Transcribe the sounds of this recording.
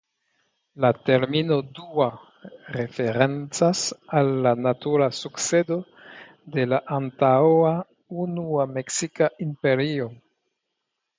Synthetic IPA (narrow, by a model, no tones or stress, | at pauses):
lateɾmino̞dua | ɾefeɾent͡sasalːanatuɾasukt͡sedo̞ | de̞laʔantawa | unuameksikaʔimpeɾio̞